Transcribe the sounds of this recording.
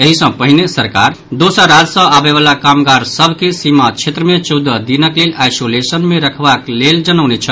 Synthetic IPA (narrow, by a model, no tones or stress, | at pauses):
eɦisə̃pəɦinesəɾkaɾ | d̪osəɾad͡ʒsə̃abeβalakamɡaɾsəbʱkesimat͡ʃʰet̪ɾəmet͡ʃəwd̪ʱəd̪inəklelajsolesənmeɾəkʰbakleld͡ʒənəwnet͡ʃʰə